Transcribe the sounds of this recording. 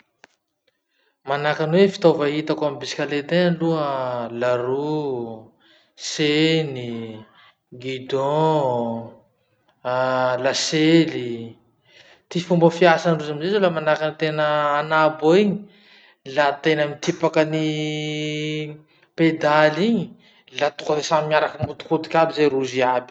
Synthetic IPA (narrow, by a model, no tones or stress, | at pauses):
manakanwefi̥t̪ovaɦit̪akamibisi̥kʲalet̪enluəlaɾu | seni | ɡid̪ɔ̃ | laseli | t̪ifumbəfiasanruzamizezolamanakanit̪enəːnaboiɲi | lat̪enəmit̪ipakəni | ped̪aliɲi | lat̪ukəɾesamiaɾakəmut̪u̥kut̪i̥kʲabizeɾuziabi̥